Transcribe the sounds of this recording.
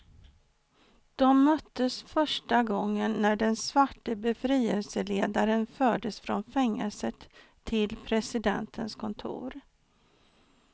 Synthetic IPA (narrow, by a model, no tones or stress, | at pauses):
d̪̥ɔmːœt̪ʰːəsfœʂʈaɡɔŋːənːæɖɛnsvaʈːəbɛfɾiːəlsəleːd̪aɾənfœːɖəsfɾɔ̰nfɛŋːəlsət̪ʰː | ɪlpʰɾɛsɪd̪ɛ̰nt̪ʰənskʰɔnt̪ʰṵːɾ